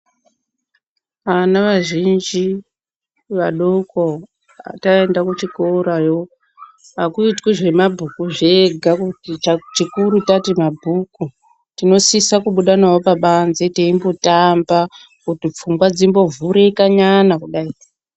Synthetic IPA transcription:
anaʋaʒind͡ʒi | ʋaɗoko | a̰taendakut͡ʃikoɾajo̞ | akuitkwiʐe̞mabʱukuʐe̞ɡʱakutiat͡ʃikuɾutatimabʱuku | tino̞sisakuɓuɗanawopaɓanze̞teimbotamba | kutip͡fuŋɡwad͡zimbo̞vʱuɾe̞kaɲanakuɗai

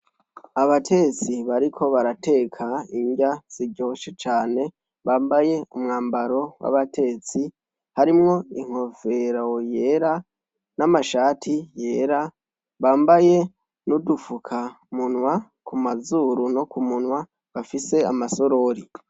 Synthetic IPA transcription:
aβatʰe̞t͡siβaɾikʰo̞βaɾate̞kʰaiɲɟaz̥iɾɟo̞ːʃet͡ʃaːne̞ | βaːmbaje̞umŋaːmbaɾo̞wa̰βatʰe̞t͡si | haɾimŋo̞iŋ̥ho̞fe̞ɾoje̞ːɾa | namaʃaːtʰije̞ːɾa | βaːmbaje̞ | nudufukʰa | munwa | kʰumazuːɾuno̞kumunwa | βafise̞a̰maso̞ɾo̞ɾi

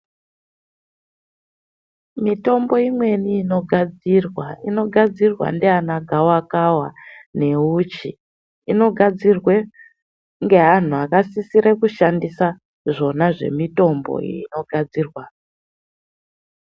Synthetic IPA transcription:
mito̞mbo̞imwe̞niːno̞ɡʱad͡zirwaino̞ɡʱad͡zirwa̰ndeanaɡʱawakawa̰ne̞ut͡ʃiː | no̞ɡʱad͡zirwe̞ | ŋɡe̞ɦan̤uakasisiɾekuʃandisa | ʐo̞naʐe̞̰mito̞mbo̞̰ino̞ɡʱad͡ziːrwa

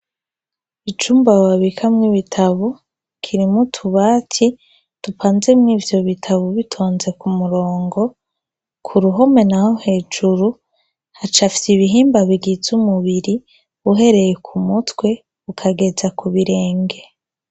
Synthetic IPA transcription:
it͡ʃuːmbawaβikʰamŋiβitʰaβu | kʰiɾimutʰuβaːtʰi | tupaːnze̞mŋiːvjo̞βitʰaβuβitʰo̞ːnze̞kumuɾo̞ːŋɡo̞ | kʰuɾuɦo̞me̞naho̞he̞ːd͡ʒuɾu | hat͡ʃafi̥siβiɦiːmbaβiɡizumuβiɾi | uɦe̞ɾe̞jekʰumutwe̞ | ukʰaɡe̞zakuβiɾe̞ːŋɡe̞

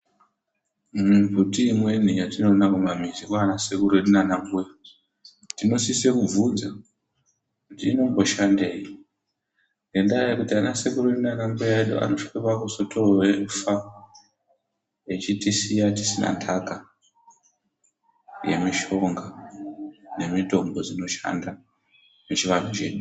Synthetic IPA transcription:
mbʱutiːmwe̞n̤ijatino̞nakumamizikwanasekureɗinanaŋɡuja | tino̞sisekub͡vud͡za | kutiːno̞mbo̞ʃande̞ːi | ŋɡe̞ndajekutianasekureɗunanaŋɡujaeɗṵʔa̰noʂikepakuso̞tʰorowenfa | et͡ʃitisijati̥sina̰ntʰaka | je̞̰miʃo̞ŋɡa | ne̞mito̞mbo̞d͡zino̞ʃa̰nda | met͡ʃiʋan̤ut͡ʃe̞ːɗu

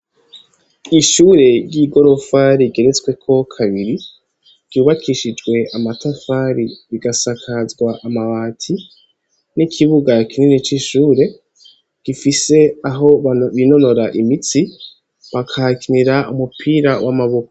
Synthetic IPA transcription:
iʃuːɾe̞ɾɟiɡo̞ɾo̞faɾiɡe̞ɾet͡swe̞kʰo̞kʰaβiɾi̥ | ɟ̥uːβakʰiʃid͡ʒɡwe̞ʔamatafaɾiβiɡasakʰazɡwaʔamaβaːtʰi | nikʰiβuɡakininit͡ʃiʃuːɾe̞ | ɡ̥ifise̞aɦo̞βino̞no̞ɾaʔimit͡si | βakʰakiniɾaumupʰiːɾawamaβokoo

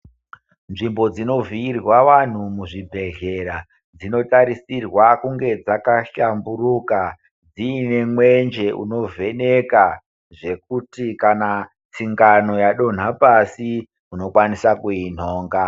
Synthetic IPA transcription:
nʐimbo̞d͡zino̞viirwaʋan̤umuʐibʱe̞ɮe̞ɾa | d͡zino̞taɾisirwakuŋɡe̞d͡zakaɬambuɾuka | d͡ziːne̞mwend͡ʒe̞ʔṵno̞ve̞neka | ʐe̞k̚utikana | t͡siŋɡano̞jaɗo̞n̤apasi | uno̞kwanisakuin̤o̞ːŋɡa

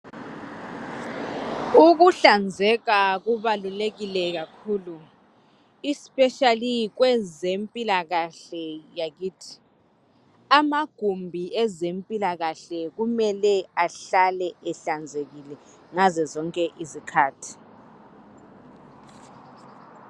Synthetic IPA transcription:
uk̬uɬand͡zʱɛɣ̬aɣ̬uβaluleɣilɛk̬akʰuːlu | ispʼɛʃalik̬wɛzempʼilaɣaɬɛjak̬iːtʰi̥ | amaɡ̥ʱumbʱiɛzempʼilaɣaɬɛɣ̬umɛlɛaɬalɛɛɬand͡zʱeɣ̬ilɛ | ŋazɛzɔŋkʼɛʔizikʰaːtʰi̥

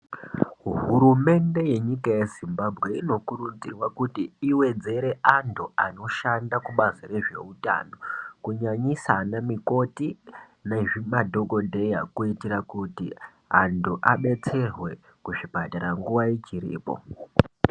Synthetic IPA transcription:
ɦuɾume̞nde̞je̞ɲikajezimbabʱɣe̞ino̞kurund͡zirwakutiiwe̞d͡ze̞ɾe̞ʔantʰuano̞ʃandakuɓazire̞ʐe̞̰uta̰no̞kuɲaɲisanamiko̞ti | naʐimadʱo̞ɡo̞dʱe̞jakuitiɾakutḭ | antuʔaɓe̞t͡se̞rwe̞ | kuʐibʱataɾaŋɡuʋait͡ʃiɾḭːpo̞̰

